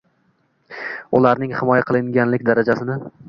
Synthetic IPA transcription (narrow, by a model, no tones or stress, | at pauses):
ʊlaɾnɪŋhɪmɒjaqʰɨlˠɪŋɡʲanlɪkʲd̪aɾad͡ʒasɪnɪ